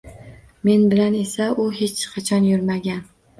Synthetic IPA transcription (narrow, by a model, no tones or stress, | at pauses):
me̞nbɪlane̞saʔʊhe̞t͡ʃqʰɑt͡ʃʰɒnjʊɾmaɡʲan